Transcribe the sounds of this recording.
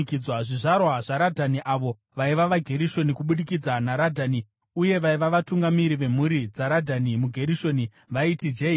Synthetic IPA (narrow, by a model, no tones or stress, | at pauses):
kid͡zwaʐiʐarwaʐaɾadʱaniʔaʋo̞ | ʋaiʋaʋaɡʱe̞ɾiʃo̞nikuɓuɗikid͡zanaɾadʱani | uje̞ʋaiʋaʋatuŋɡamiɾiʋe̞m̤uɾid͡zaɾadʱanimuɡʱe̞ɾiʃo̞ni | ʋaitid͡ʒei